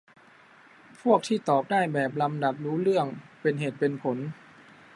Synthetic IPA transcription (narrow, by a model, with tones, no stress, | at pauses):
pʰu˥˩ək̚t̪ʰiː˥˩t̪ɔː˨˩k̚daː˥˩jbɛː˨˩p̬̚la˧mda˨˩p̚ɾuː˦˥ɾɯ˥˩əŋpe˧nɦeː˨˩t̪̚pe˧npʰo˩˦n